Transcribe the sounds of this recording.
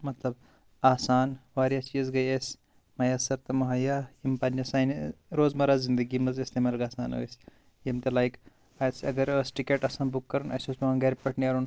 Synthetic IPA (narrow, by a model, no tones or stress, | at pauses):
mɐt̪lɐb̚ | aːsaːnʋaːɾjɐst͡ʃiːzɡɐjes | mɐjɐsɐɾt̪ɐmɐɦɐjajimpɐnd͡ʒɐsaːnɾoːzmɐɾaːzind̪əɡimɐzest̪eːmaːlɡaːsaːno̰ːes | jimt̪elajk | ɐsɐɡɐɾəːsʈikeʈɐsaːnbukːɐɾunɐ̰sosmɐɐnɡɐɾpɐʈniɐɾun